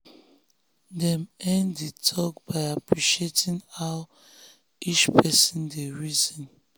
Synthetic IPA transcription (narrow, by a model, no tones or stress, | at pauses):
dɛ̃mɛ̃ndetʰɔkbaɪapʰɹiʃetĩŋaʊ | it͡ʃpʰɛsĩndəɹizɔ̃n